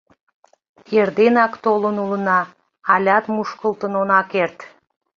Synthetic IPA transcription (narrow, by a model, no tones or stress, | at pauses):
erd̪enɑkt̪olənulənɑː | lʲɑt̪muʃkəlˠt̪ənonɑkert̪